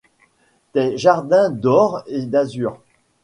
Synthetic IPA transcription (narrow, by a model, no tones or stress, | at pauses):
t̪ɛʒaʁd̪ɛ̃d̪ɔʁed̪azyːʁ